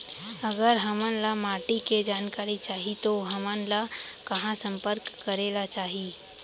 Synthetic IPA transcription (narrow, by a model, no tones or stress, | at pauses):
əɡəɾɦəmənlamaːʈiked͡ʒaːnkaːɾit͡ʃaːɦit̪oɦəmənlakəɦãsə̃mpəɾkːəɾelat͡ʃaːɦi